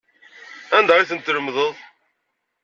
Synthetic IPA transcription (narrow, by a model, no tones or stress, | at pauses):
ænd̪aiθənt̪ːələmðˤəðˤ